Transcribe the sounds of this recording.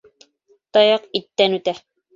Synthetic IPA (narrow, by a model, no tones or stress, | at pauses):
t̪ɑjɑqit̪ːænʉt̪æ